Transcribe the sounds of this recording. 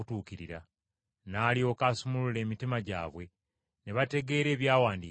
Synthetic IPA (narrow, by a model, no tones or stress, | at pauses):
tuːkiɾḭɾa̰ | naːlio̞ːkaːsumulule̞ːmitimaɟa̰ːβwe̞ | ne̞βate̞ɡe̞ːɾe̞ːβjaːwaːndiː